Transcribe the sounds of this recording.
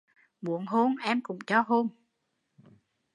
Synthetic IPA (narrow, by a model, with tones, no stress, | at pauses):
mu˨˦əŋɦo˧nʔɛ˧mkʊ̰˨˩˦ŋ͡mt͡ɕɔ˧ɦo˧n